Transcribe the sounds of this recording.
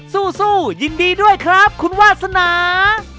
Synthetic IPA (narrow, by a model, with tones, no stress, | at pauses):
suː˥˩suː˥˩ji˧ndiː˧du˥˩əjkʰɾa˦˥p̚kʰu˧nwaː˥˩t̪̚sa˧naː˩˦